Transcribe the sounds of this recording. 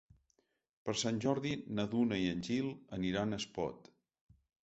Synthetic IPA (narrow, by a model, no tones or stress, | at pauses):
pəɾsanʲʒɔɾðinəðunəiənʲʒilˠəniɾanəspɔ̰t̪